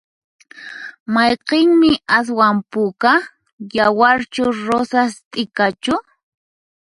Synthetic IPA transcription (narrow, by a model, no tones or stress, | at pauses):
mɑjqeŋmɪʔas̬wampʊka | jawaɾt͡ʃʊɾosast̪ʼɪkat͡ʃʊ